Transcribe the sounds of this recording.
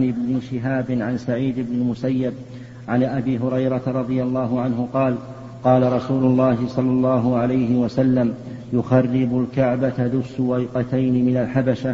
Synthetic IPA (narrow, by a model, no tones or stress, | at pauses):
nɪbnɪʃɪɦaːbɪnʕansaʕiːd̪ɪbnɪmʊsajːɪb̚ | ʕanʔabiːɦʊɾɑjɾɑt̪aɾˤɑd̪ˤɨjalːɑːɦʊʕanɦʊqɑːl | qɑːlaɾˤɑsuːlʊlːɑːɦɪsˤɑlːɑlˤːɑːɦʊʕalajhɪwasalːam | jʊxɑrˤːɪbʊlkaʕbat̪aðʊsːʊwajqɑt̪ajnɪmɪnalħabaʃa